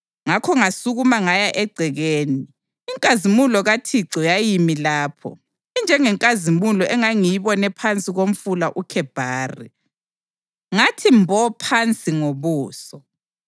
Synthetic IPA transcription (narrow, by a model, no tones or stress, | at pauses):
ŋakʰɔŋasuɣumaŋajaʔɛɡ͡ǀʱɛɣeːniː | ŋkʼazimulɔɣatʰiǀɔjajimilaːpʰɔ̰ | ind͡ʒʱɛŋɛŋkʼazimulɔʔɛŋaŋijiβɔnɛpʰant͡sʼiɣom̩fulaʔukʰɛb̥ʱaːrḭ | ŋatʰimbʱɔpʰant͡sʼiŋoβuːsɔ